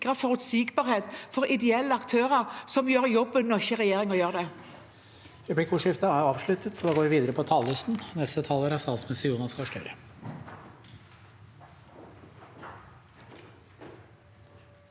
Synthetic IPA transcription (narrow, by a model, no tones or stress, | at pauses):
kʁəfɔʁʉt̪sɪkbɑːʁheːt̪fɔɾɪd̪ɛɛlːəɑkt̪ʰøːʁəʁsɔmjøːɾjɔbːənnːɔçəʁɛjeːʁɪŋɔjøːʁd̪ɛ | ɾɛplɪkʰuːʂɪft̪əæɾɑːʋʂɭʉt̪ət̪sɔd̪ɑːɡoːʋɪʋiːd̪əɾəpʰɔt̪ʰɑːləst̪n̩nɛst̪ət̪ʰɑːləɾɑsɑlsmɛsəjuːnɑskɑʂʈœ̰ɾə